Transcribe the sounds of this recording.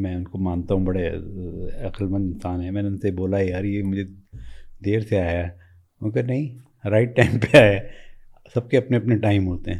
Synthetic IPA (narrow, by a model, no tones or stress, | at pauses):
mɛ̃ːʊnkomãːnt̪aɦũbɐɽe | ɐkəlmət̪ɪnsaːnɦɛ̃mɛ̃ːneʊnseboːlaiɦɐɾjemʊd͡ʒʱe | d̪eːɾseaːja | ʊkɐnɐɦĩ | ɾaːɪʈːaɪmpeaːja | sɐb̚keɐpneɐpneʈaːɪmɦoːt̪eɦɛ̃ː